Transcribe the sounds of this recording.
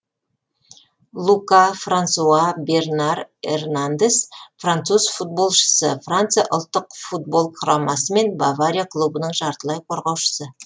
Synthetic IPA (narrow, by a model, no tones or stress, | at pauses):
lˠukafrant̪suabe̞rnarḛrnand̪e̞sfrant̪suzfut̪̚bo̞lˠʃə̥səfrant̪sɨjaʔolˠt̪ːəqfut̪̚bo̞lˠqʰʊɾɑmɑsəme̞nbavaɾʲijakʰlˠubənəɴʒɑɾt̪əlˠɑjqʰo̞ɾʁɑwʃə̥sə